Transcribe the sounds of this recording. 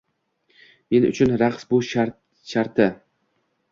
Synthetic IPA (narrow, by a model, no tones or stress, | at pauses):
menʊ̰t͡ʃʰʊnɾaqsbʊʃ | ʃaɾt̪ʰɪ